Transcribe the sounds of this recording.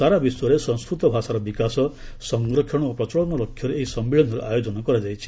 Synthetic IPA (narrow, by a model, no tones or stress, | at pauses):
saɾabiswɔɾesɔ̃nskɾut̪ɔbʱasaɾɔbikasɔsɔŋɡɾɔkʰjɔɽ̃ɔopɾɔt͡ʃɔɭɔnɔlɔkʰːjɔɾeeisɔmbiɭɔnd̪ʱɔɾṵʔajod͡ʒɔnɔkɔɾad͡ʒajt͡ʃʰi̥